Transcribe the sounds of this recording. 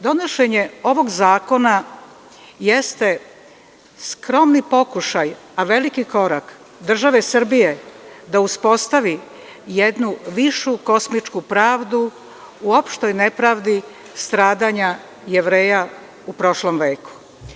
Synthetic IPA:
d̪o̞noʃeɲe̞o̞ʋo̞ɡzaːko̞na | jest̪e̞ | skɾo̞mnipo̞kuʃaj | aʋe̞likiko̞ɾak | d̪r̩ʒaʋe̞sr̩bije̞d̪auspo̞st̪aʋi | jed̪nuʋiʃuko̞smit͡ʃkupɾaːʋd̪u | uo̞pʃt̪o̞jne̞pɾaʋd̪i | st̪ɾaːd̪aɲa | jeʋɾe̞ːja | upɾo̞ʃlo̞mʋe̞ːku̥

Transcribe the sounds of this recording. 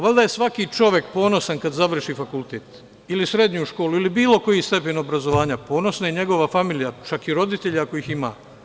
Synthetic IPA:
ʋalʲd̪ajesʋakit͡ʃo̞ʋje̞k̚po̞ːno̞sankad̪zaʋr̩ʃifakulˠt̪eːt̪ | ilisɾe̞d̪ɲuʃko̞ːluilibiːlo̞ko̞jist̪e̞pe̞no̞bɾazo̞ʋaːɲapo̞ːno̞snaje̞ɲe̞ɡo̞ʋafamiːlijat͡ʃakiɾo̞d̪it̪e̞ʎako̞ixima̰ː

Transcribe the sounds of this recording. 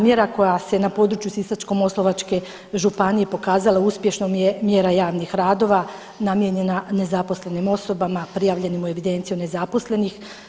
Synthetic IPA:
mjeɾako̞jase̞napo̞d̪ɾut͡ʃjusisat͡ʃko̞mo̞slˠo̞ʋat͡ʃke̞ | ʒupanije̞po̞kaːzalauspje̞ʃnomjemjeɾajaːʋnixɾaːd̪o̞ʋa | namjeɲe̞nane̞zapo̞sle̞nimo̞so̞bamapɾijaːʋʎe̞nimue̞ʋid̪e̞nt̪sijune̞zapo̞sle̞nix

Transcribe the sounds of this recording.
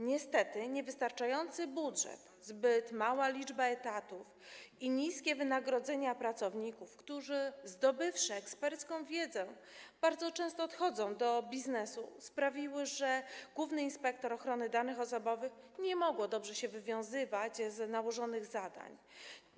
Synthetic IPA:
ɲɛst̪ɛt̪ɘɲɛvɘst̪aɾt͡ʂajɔnt̪sɘbudʐɛ̰t̪ | zbɘt̪mawalʲid͡ʐbaɛt̪at̪ufiɲiskʲɛvɘnaɡɾɔd̪zɛɲapɾat̪sɔvɲikufkt̪uʐɘzd̪ɔbɘfʂɘɛkspɛɾt̪skɔ̃w̃vʲjɛd̪zɛ | b̥aɾd̪zɔt͡ʂɛ̃st̪ɔːt̪xɔd̪zɔ̃w̃d̪ɔbʲiznɛsṵspɾavʲiwɘʐɛɡwuvnɘinspɛk̚t̪ɔɾɔxɾɔnɘd̪anɘxɔsɔbɔvɘxɲɛmɔɡwɔd̪ɔbʐɛɕɛvɘvʲjɔ̃w̃zɘvat͡ɕznawɔʐɔnɘɣzad̪a̰ɲ

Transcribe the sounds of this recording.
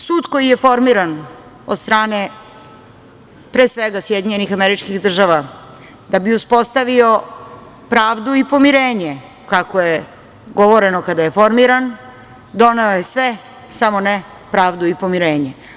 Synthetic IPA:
suːd̪ko̞jijefo̞ɾmiɾan | od̪st̪ɾaːne | pɾeːsʋeɡasjed̪iɲenixameɾit͡ʃkiɣd̪r̩ʒaʋa | d̪abiuspo̞st̪aʋio̞ | pɾaːʋd̪uipo̞miɾeːɲe | kako̞je | ɡo̞ʋo̞ɾe̞nokad̪aje̞fo̞ɾmiɾan | d̪o̞neojesʋe | samo̞ne | pɾaːʋd̪uipo̞miɾeːɲe

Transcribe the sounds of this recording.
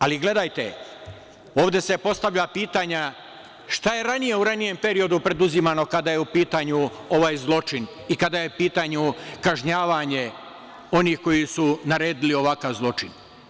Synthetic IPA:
aliɡle̞d̪ajt̪ḛ | oːʋd̪e̞se̞po̞st̪aʋʎapiːt̪aɲa | ʃt̪aje̞ɾanije̞uɾanije̞mpe̞ɾio̞d̪upɾe̞d̪uzimano̞kad̪aje̞upiːt̪aɲu | o̞ʋaːjzlˠo̞t͡ʃin | ikad̪ajeupiːt̪aɲukaʒɲaːʋaɲe̞ | o̞niːhko̞jisunaɾe̞ːd̪ilio̞ʋakaʋzlˠo̞t͡ʃin

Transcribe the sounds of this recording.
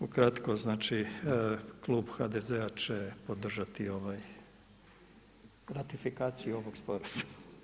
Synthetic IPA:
ukɾat̪koznaːt͡ʃi | klˠuːbxad̪ezeat͡ʃepo̞d̪r̩ʒat̪io̞ʋaj | ɾat̪ifikaːt̪sijuo̞ʋoɡspo̞ɾazḁ

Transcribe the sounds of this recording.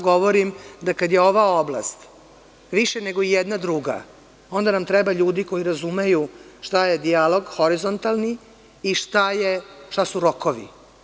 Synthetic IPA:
ɡo̞ʋoɾimd̪akad̪jeo̞ʋaobla̰st̪ | ʋiʃeneɡo̞ijɛd̪nad̪ɾuɡa̰ | o̞nd̪anamt̪ɾɛbaʎuːd̪iko̞jiɾazumejuʃt̪aje̞d̪ialo̞ɡxo̞ɾizont̪alˠniː | ʃt̪ajeʃt̪asuɾokoʋḭ

